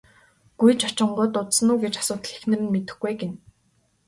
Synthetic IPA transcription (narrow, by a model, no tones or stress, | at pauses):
ɡ̥ujt͡ɕɔt͡ɕɪ̆ɴɢʊːt̪ʊt̪sə̆nuːɡet͡ɕḁsʊːt̪̆ɮe̥xnɘ̆rnmet̪ɘ̆xɡejɡen